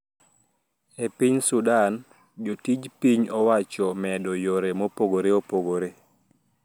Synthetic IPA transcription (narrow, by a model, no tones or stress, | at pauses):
epiɲsudan | d͡ʒotid͡ʒpiɲɔwat͡ʃɔmɛdɔjoɾemopoɡoɾeopoɡoɾe